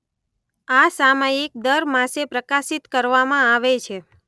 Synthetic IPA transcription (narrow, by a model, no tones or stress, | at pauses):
asamajik̚d̪əɾmãsepɾəkasit̪kəɾʋamãaʋet͡ʃʰe